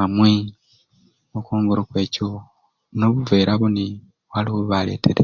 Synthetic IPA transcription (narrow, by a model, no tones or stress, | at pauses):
amwe | okoːŋɡoɾokwe̞ːco | noβuveːɾaβuni | waliwoβale̞̰ːtʰeɾe